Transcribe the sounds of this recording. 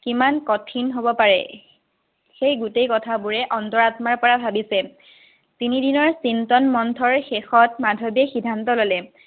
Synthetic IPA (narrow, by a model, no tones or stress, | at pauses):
kimankɔtʰinɦobɔpaɹɛ̰ | xejɡutejkɔtʰabuɹɛʔɔntɔɹatmaɹpɔɹabʱabisɛ | tinidinɔɹsintɔnmɔntʰɔɹxexɔtmadʱɔbiɛxidʱantɔlolɛ